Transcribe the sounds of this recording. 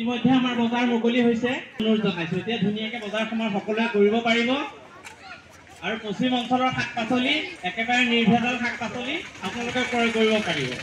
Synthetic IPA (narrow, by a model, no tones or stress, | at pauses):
itimɔjdʱːɛamaɹbɔzaɹmokoliɦojsɛonʊɹzɔnajsʊ̃etijadʱunijakɛbɔzaɹxɔmaɹxɔkɔlʊɛkoɹibɔpaɹibɔ | aɹuposimɔnsɔlɔɹkʰak̚pasoliɛkɛbaɹɛniɹbʱadɔnkʰak̚pasoliapʊnalʊkɛkɔɹɛkoɹibɔpaɹibɔ̰